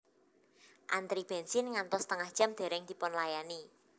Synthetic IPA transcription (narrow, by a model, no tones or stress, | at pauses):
ʔant̪ɾib̥ɛnsɪnŋant̪ɔst̪əŋahd̥ʒ̥a̤md̪̥e̤ɾɛŋd̪̥i̤pɔnlajani